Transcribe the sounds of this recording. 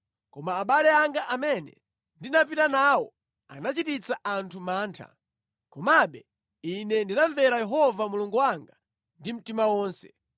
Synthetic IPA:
kɔmaːɓalɛaŋɡaʔamɛnɛ̰ | ndinap̬itanaːwɔ̰ | a̰nat͡ʃitit͡saʔantʰumaːntʰa̰ | kɔmaɓɛ | inɛndinaɱvɛɾajɛɦɔvamuluŋɡuwaŋɡa | ndim̩timawɔːnsɛ̰

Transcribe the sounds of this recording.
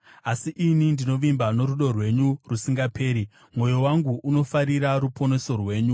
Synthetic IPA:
asiʔinindino̞ʋimbano̞ɾuɗo̞rwe̞ɲurusiŋɡapʰe̞ːɾi | mwo̞jowaŋɡuʔuno̞faɾiɾaɾupʰo̞ne̞so̞rwe̞ːɲu

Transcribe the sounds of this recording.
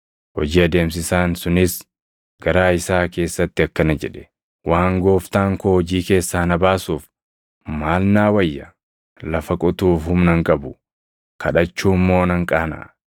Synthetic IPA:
hɔ̰d͡ʒiːɐd̪e̞ːms̬ɪsaːnsʊnɪs | ɡ̥ɐɾaːɪsaːke̞ːsːɐt̪ːɪɐkːɐnɐd͡ʒɛᶑɛ̥ | waːŋɡo̞ːft̪aːŋkohɔd͡ʒiːke̞ːsːaːnɐbaːsuːf | maːlnaːwɐjːɐ | lɐfɐkʼʊt̪uːfhʊmnɐŋkʼɐbʊ | kʰɐᶑɐt͡ʃːuːmːo̞ːnɐŋkʼaːnɐ̰ʔ

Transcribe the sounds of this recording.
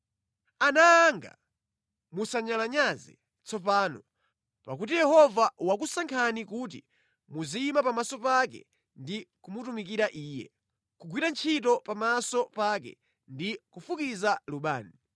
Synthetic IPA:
anaːŋɡa̰ | musaɲalaɲazɛ̰ | t͡sɔp̬aːnɔ | pakut̬ijɛhɔvawakusaŋkʰanikutḭ | muzimapamasɔpakɛ̰ | ndikumutumikiɾaʔiːjɛ̰ | kuɡwiɾant͡ʃʰitɔpamasɔpakɛ̰ | ndikufukizaluɓa̰ːni

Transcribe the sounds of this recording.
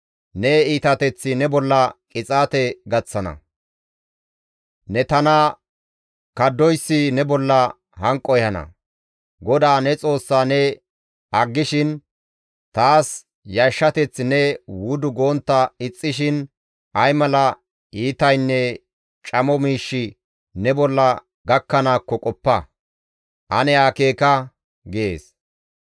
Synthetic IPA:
nɛiːt̪ɐt̪ɛt͡sːɪnɛbɔlːɐkʼɪt͡sʼaːt̪ɛɡɐt͡sːɐnɐ̰ | nɛt̪ɐnɐ | kɐd̪ːɔjsːɪnɛbɔlːɐ | hɐŋkʼːɔjhɐnɐ̰ | ɡɔd̪aːnɛt͡sʼo̞ːsːaːnɛ | ɐɡːɪʃɪn | t̪aːs | jɐʃːɐt̪ɛt͡sːnɛwʊd̪ʊɡoːnt̪ːɐɪt͡sʼːɪʃɪn | ʔɐjmɐlɐ | iːt̪ɐjnːɛ | t͡ʃʼɐmɔmiːʃːɪ | nɛbɔlːɐ | ɡɐkːɐnaːkːɔkʼɔpːɐ | ʔɐnɛaːke̞ːkɐ | ɡɪḛːs

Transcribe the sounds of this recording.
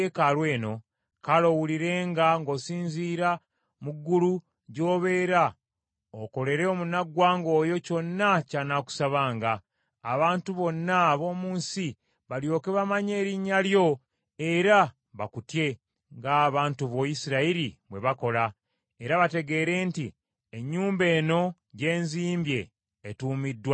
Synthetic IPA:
ekalwe̞ːno̞ | kalo̞wuliɾe̞ːŋɡaŋɡo̞ːsiːnziːɾa | muɡːulu | ɟo̞ːβe̞ːɾa | oko̞le̞ɾe̞omunaɡwaːŋɡo̞ːjo̞co̞nːacanaku̥saβaːŋɡaː | βaːntuβo̞nːaβo̞ːmuːnsi | βaljo̞ːke̞βamaɲe̞ːɾiɲːaljo̞ | e̞ɾa | βakutje̞ | ŋɡaːβaːntuβo̞jisiɾaiɾiβwe̞βako̞la | e̞ɾaβate̞ɡe̞ːɾe̞ːnti | eɲːuːmbe̞ːno̞ | ɟe̞ːnziːmbje̞ː | tuːmidːwa

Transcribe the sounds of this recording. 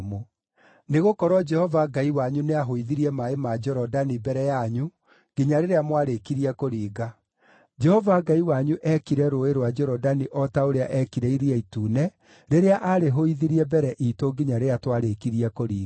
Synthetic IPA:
mo | neɣokɔɾwɔd͡ʒɛhɔvaɡaiwaɲuneaɦoiðiɾiɛmaemad͡ʒɔɾɔdanibɛɾɛjaɲu | ɡ̥iɲaɾeɾeamwaɾekiɾiakoɾiːɣa | d͡ʒɛhɔvaɡaiwaɲuʔɛkiɾɛɾoeɾwad͡ʒɔɾɔdaniʔɔtaoɾeaʔɛkiɾɛiɾiɛituːnɛ | ɾeɾeaʔaɾeɦoiðiɾiɛbɛɾɛʔitoɡiɲaɾeatwaɾekiɾiakoɾiː

